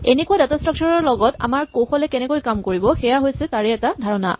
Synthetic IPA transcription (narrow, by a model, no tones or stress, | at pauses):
enekuadatastɹɔk̚t͡ʃʰɔɹɔɹlɔɡɔta̰maɹkoxɔlɛkɛnɛkojkamkoɹibɔxɛjaɦojsɛtaɹɛɛtadʱaɹɔna̰